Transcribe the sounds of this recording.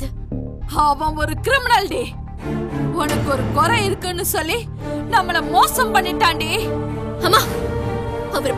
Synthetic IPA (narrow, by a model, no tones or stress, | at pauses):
ɐʋɐ̃ɔɾɯkɪɾɪmɪnɐlɖeː | ɔnɐkːɯɔɾɯkɔɾɐ̃ɪɾɯkːɯnːɯsɔlːi | nɐmːɐɭɐmoːsɐmpɐɳːɪʈːaːɳɖeː | ɐmaː | ɐʋɐɾ